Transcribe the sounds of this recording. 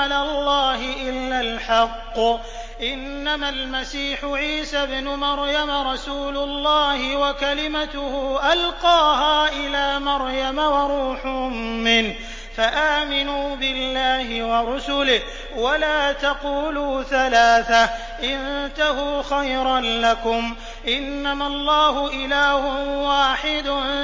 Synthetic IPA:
lalˤːɑːɦɪʔɪlːalħɑqː | ʔɪnːamalmasiːħʊʕiːsabnʊmɑɾjamaɾˤɑsuːlʊlˤːɑːhɪwakalɪmat̪ʊhʊʔalqɑːɦaːʔɪlaːmɑɾˤjamawɑɾˤuːħʊʊmːɪn | faʔaːmɪnuːbɪlːaːhɪwɑɾˤʊsʊlɪh | walaːt̪ɑquːluːθalaːθa | ʔɪnt̪ahuːxajɾɑnlakʊm | ʔɪnːamalˤːɑːɦʊʔɪlaːhʊwaːħɪd̪ʊ

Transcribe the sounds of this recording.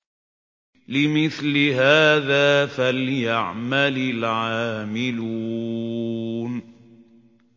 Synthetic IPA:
lɪmɪθlɪɦaːðaːfaljaʕmalɪlʕaːmɪluː | n

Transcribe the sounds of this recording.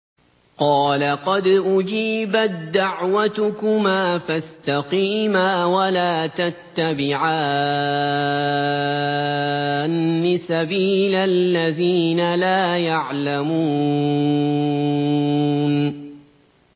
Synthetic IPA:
qɑːlaqɑd̪ʔʊd͡ʒiːbat̪̚d̪aʕwat̪ʊkʊmaːfast̪aqiːmaːwalaːt̪at̪ːabɪʕaː | nːɪsabiːlalːaðiːnalaːjaʕlamuː | n

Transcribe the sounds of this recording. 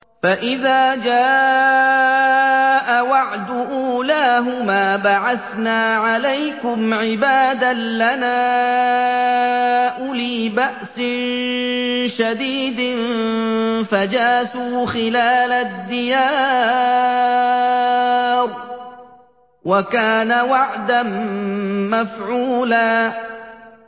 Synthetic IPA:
faʔɪðaːd͡ʒaː | ʔawaʕd̪ʊʔuːlaːɦʊmaːbaʕaθnaːʕalajkʊmʕɪbaːd̪alanaː | ʔʊliːbaʔsɪn | ʃad̪iːd̪ɪn | fad͡ʒaːsuːxɪlaːlad̪ːɪjaː | ɾ | wakaːnawaʕd̪anː | afʕuːlaː

